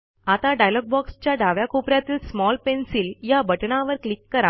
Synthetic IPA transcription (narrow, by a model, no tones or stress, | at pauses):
at̪aɖajlɔɡ̚bɔkst͡ɕjaɖaʋjakopɾjat̪iːlsmɔlpensiːljabəʈɳaʋəɾklikːəɾa